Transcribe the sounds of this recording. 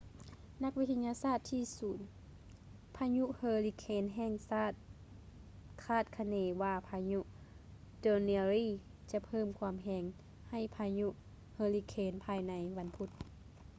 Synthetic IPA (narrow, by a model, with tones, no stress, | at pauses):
na˧˥k̚ʋi˦t̪ʰːa˧ɲaː˧saː˧˥˩t̪ʰːiː˧suː˨˩˦n | pʰaː˧ɲu˧˥ʔhɤː˧li˧kʰeː˧nɦɛː˧˨ŋsaː˧˥˩t̪̚ | kʰaː˧˥˩t̪̚kʰa˧neː˧ʋaː˧˩pʰaː˧ɲu˧ʔ | doː˧ni˧ɾiː˧˥˨ | t͡ɕa˧˦pʰɤː˧˥˨mkʰwaː˧˥mɦɛː˧ŋ | ha˧˩jpʰaː˧ɲu˧ʔ | hɤː˧li˧kʰeː˧˥npʰaː˧jna˧˥jʋa˧˥npʰu˧˥t̪̚